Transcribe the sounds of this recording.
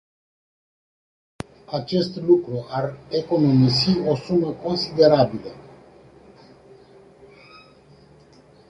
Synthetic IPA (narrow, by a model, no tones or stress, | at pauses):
at͡ʃe̞st̪lukɾuareko̞no̞misio̞suməko̞nsid̪e̞ɾabilə